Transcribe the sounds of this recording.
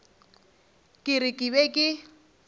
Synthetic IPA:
kʼɪrɪkʼɪβɛkʼɪ

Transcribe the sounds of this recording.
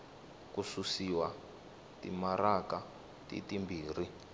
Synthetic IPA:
kususiwa | timaraka | tḭtimbiːri

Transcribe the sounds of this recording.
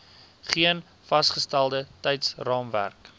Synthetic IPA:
χiən | fɐsχəstælˠdətɛjtsrɑːmvæ̰rk

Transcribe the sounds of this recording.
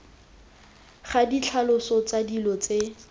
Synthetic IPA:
χadit͡ɬʰalʊsɔt͡sadilɔt͡se

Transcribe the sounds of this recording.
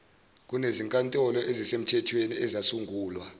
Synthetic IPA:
k̬ʼuneziŋkʼantʼɔlɔʔezisem̩tʰɛtʰweniɛzasuŋɡʱuːlwa

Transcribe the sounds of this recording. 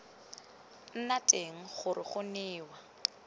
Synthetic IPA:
n̩natʼeŋ̩χʊrɪχʊnɪːwa

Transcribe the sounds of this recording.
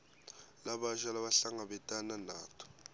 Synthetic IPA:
laɓaʒalaβaɬaŋaɓɛtʼananaːtʰɔ̥

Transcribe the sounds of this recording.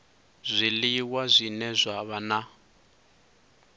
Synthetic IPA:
zʷiliwazʷinɛzʷaβana

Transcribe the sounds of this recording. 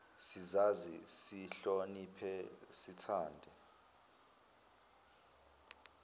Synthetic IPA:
sizazisiɬonipʰɛsitʰaːndʱɛ

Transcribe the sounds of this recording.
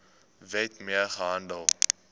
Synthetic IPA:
vitmiərχəɦɐndəlˠ

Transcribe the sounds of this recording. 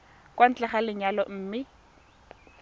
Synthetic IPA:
kwan̩t͡ɬɛχalɪɲalɔm̩ːmɪ

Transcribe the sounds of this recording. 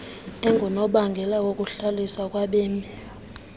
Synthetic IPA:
ɛŋɡʱɔnɔɓaŋɡʱɛlawok̬ʼuɬalisak̬ʼwaɓeːmi

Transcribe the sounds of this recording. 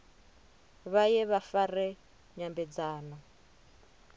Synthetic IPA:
βajɛβafarɛ | ɲambɛd͡zaːnɔ

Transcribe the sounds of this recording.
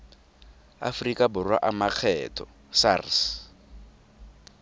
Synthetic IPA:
a̰frikʼabʊrwa̰ʔamak͡xʰɛːtʰɔ | sars

